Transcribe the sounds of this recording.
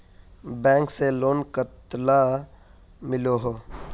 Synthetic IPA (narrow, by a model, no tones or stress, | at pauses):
bɛ̃ːŋkseloːnkət̪la | mɪloɦoː